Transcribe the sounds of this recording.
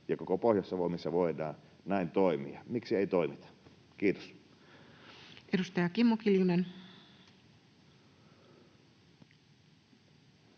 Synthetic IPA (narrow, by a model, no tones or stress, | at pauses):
jɑkokopoˑhjɑsːɑʋoimisːɑʋoedˑɑːn | næint̪oˑimḭɑmiksieit̪oimit̪ɑ̥ | kiːt̪o̥s | edust̪ɑjɑkimːokiljunen